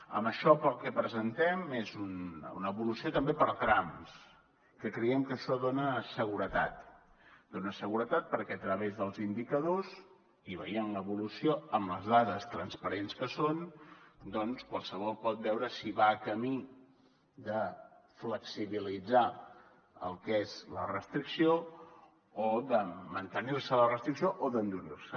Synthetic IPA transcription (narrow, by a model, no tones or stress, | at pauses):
ə̰məʃɔpəlˠkɛpɾəzənt̪ɛmezunṵnəβulusiot̪əmbepəɾt̪ɾams | kəkɾəɛmkəʃɔðonəsəɣ̞uɾət̪at̪ | d̪onəsəɣuɾət̪at̪̚pəɾkɛət̪ɾəβezðəlˠzind̪ikəðoz | iβəjenunəβulusioəmləzðaðəst̪ɾənspəɾenskəsond̪ɔnskwalˠsəβ̞ɔlˠpɔt̪̚bɛwɾəsiβaːkəmi | d̪ə | fləksiβilid͡za | ə̰lˠkezlə̰rəst̪ɾiksio | oðəmənt̪əniɾsələrəst̪ɾiksioʔoðənd̪uɾirsə